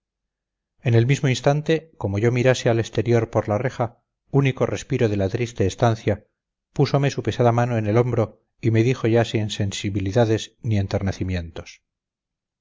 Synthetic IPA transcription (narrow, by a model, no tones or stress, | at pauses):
ene̞lmizmoinst̪ant̪e̞ko̞mo̞ʝo̞miɾaseale̞st̪e̞ɾjo̞ɾpo̞ɾlare̞χa | uniko̞re̞spiɾo̞ðe̞lat̪ɾist̪e̞ːst̪anθja | puso̞me̞supe̞saðamanoene̞lo̞mbɾo | ime̞ðixo̞ʝasinse̞nsiβiliðaðesnie̞nt̪eɾnaθimje̞nt̪o̞̥s